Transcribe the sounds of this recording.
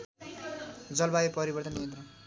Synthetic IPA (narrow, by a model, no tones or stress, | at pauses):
d͡zʌlbajepʌɾibʌrt̪ʌnːijʌnt̪rʌ